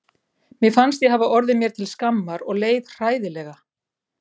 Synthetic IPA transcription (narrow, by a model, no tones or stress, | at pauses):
mjɪfanst̪jɛɦavaʔɔɾðɪmjɛɾ̥t̪ʰɪlskamːaɾɔɣleːjðr̥aːjðɪlɛɣa